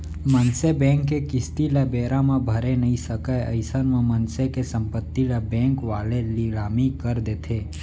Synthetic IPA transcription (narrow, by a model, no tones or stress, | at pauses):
mənsebɛ̃ːŋkːekɪst̪ilabeːɾãmãbʱəɾenəɦĩsəkaə̰ɪsənmãmənsekesə̃mpət̪ːilabɛ̃ːŋkʋaːleliɾaːmikəɾd̪eːt̪ʰeː